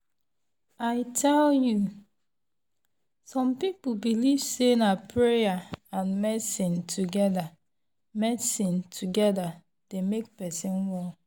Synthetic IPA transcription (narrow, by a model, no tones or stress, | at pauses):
aɪtʰɛlju | sɔ̃mpip̩biliv̥senapʰɹejaãnmɛsĩntʰuɡɛda | mɛsĩntʰuɡɛda | d̥emek̚pɛsĩnwɔ